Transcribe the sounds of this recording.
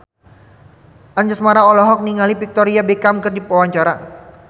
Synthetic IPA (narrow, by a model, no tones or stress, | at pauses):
ʔaɲd͡ʒasmaɾaɔlɔɦɔk̚niŋalipik̚t̪ɔɾiabekamkɨrdipɔwaɲt͡ʃaɾa